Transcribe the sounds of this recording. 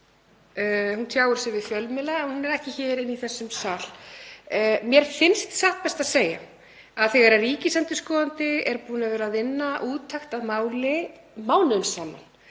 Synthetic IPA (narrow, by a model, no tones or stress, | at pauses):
hunt̪ʰjaːwʏɾ̥sɛvɪðfjœlmɪlaɛnhunɛɾɛhcɪçɛːɾɪnːiθɛsːʏmsal̥ | mjɛɾ̥fɪnst̪saht̪̚pɛst̪aðseːja̰ | aðθɛɣaɾariːcɪsant̪ɪskɔːðant̪ɪɛɾpuːnavɛːɾaðɪnːaʔuːt̪ʰajxt̪aðmaːwlɪ | maːwnʏnsaːma̰n